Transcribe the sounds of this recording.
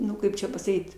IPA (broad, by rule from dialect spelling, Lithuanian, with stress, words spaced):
ˈnʊ ˈkɐɪp t͡ʃʲɛ pɐsɐˈkʲiːt